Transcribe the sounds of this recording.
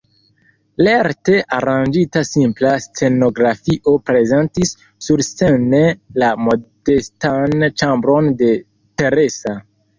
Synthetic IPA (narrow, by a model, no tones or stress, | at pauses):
leɾte̞ʔaɾand͡ʒitasimplast͡se̞no̞ɡɾafiʔo̞pɾe̞ze̞ntisː | uɾst͡senelamo̞de̞stant͡ʃambɾo̞nde̞ | te̞ɾe̞sa